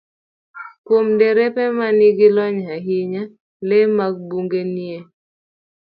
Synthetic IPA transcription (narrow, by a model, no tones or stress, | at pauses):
kwomdeɾepɛmanɪɡɪlɔɲaɦɪɲa | lemaɡ̚buŋɡenije